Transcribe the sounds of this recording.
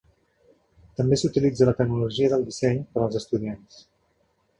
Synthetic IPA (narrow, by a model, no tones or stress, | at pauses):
t̪əmbesut̪ilid͡zələt̪əknuluʒiəðəlˠd̪isɛɲpəɾəlˠzəst̪uðians